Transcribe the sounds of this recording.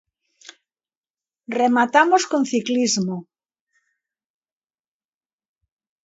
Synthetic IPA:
remat̪amoskonθiklizmo

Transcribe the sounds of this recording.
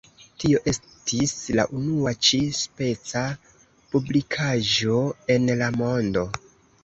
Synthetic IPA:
tio̞ʔe̞s | tʰisla̰ʔunuat͡ʃispe̞t͡sa | publikʰaʒo̞e̞nlamo̞ndo̞

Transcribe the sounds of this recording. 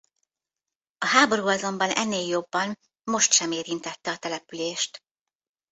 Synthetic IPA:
ɒɦaːbo̞ɾuːɒzo̞mbɒnɛ̰nːeːljo̞bːɒn | mo̞ʃt̪ʃɛmeːɾint̪ɛt̪ːɛɒt̪ɛlɛpyleːʃt̪

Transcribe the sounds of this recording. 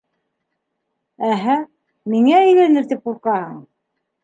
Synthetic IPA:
æɦæ | miŋæɘ̆jlænɘɾt̪ip̚uɾqɑhɤɴ

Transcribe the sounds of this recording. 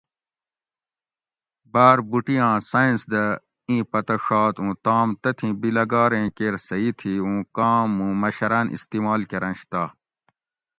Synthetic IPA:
baːɾbuʈijãːsaĩnsd̪ɐ | ĩːpɐt̪ɐʂɑːt̪ũːt̪ãːmt̪ɐt̪ʰĩbilɐɡaːɾẽːkeːɾsɐit̪ʰiũːkaːmũːmɐɕɐɾɐnʔḭst̪iːmaːlkeɾɐ̃nɕt̪aː

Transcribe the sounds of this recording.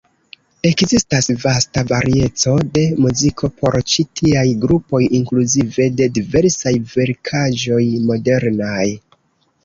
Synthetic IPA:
e̞kzistasvastavaɾie̞t͡so̞de̞muzikʰo̞pʰo̞ɾt͡ʃitʰiajɡɾupo̞jiŋkluzive̞de̞dive̞ɾsajve̞ɾkʰaʒo̞jmo̞de̞ɾnaj

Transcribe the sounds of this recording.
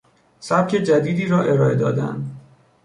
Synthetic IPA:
sæb̥̚cʰe̞d͡ʒæd̪iːd̪iːɾɒːʔe̞ɾɒːe̞d̪ɒ̰ːd̪æ̰nd̪

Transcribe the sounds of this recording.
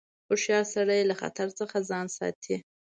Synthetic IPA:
xoʂjɑɾsaɽajlaxa̰t̪aɾt͡səxazɑnsɑ̰t̪ʰi

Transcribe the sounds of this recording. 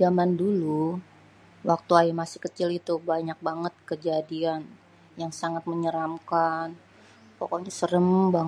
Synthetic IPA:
amandulu | wʔak̚t̪uaimasɪ̥hkət͡ʃɪlit̪ubaɲak̚baŋət̪̚kəd͡ʒadian | jaŋsaŋat̪̚məɲəɾamkan | pokɔɲasəɾəmbaŋ

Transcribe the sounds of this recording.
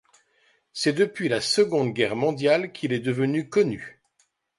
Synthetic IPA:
sɛd̪əpɥilasəɡɔ̃d̪ɡʲɛʁmɔ̃d̪jalkʲʰilɛd̪əvənykɔny

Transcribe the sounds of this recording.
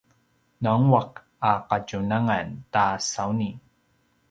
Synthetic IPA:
naŋwaq | aqacunaŋantasawni

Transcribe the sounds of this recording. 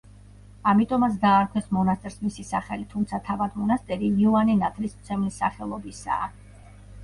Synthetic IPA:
amit̪ʼɔmat̪s̬ʰd̪aːɾkʰwɛsmɔnast̪ʼɛɾsmisisaχɛlit̪ʰumt̪sʰat̪ʰavad̪mɔnast̪ʼɛɾiniɔaninat̪ʰɾismt̪sʰɛmlisːaχɛlˠɔbisa̰ː

